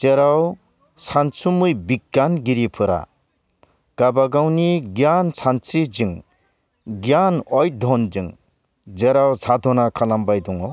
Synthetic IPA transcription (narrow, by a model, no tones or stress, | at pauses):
t͡seɾaw | sʰansʰumujbiɡanɡiɾipʰɯɾa̰ | kabaɡawniɡjansʰant͡sid͡ziŋ | ɡjanɔjd̪ʱɔnd͡ʒiŋ | d͡zeɾawt͡sʰad̪ʱɔnakʰalambajd̪uŋɔ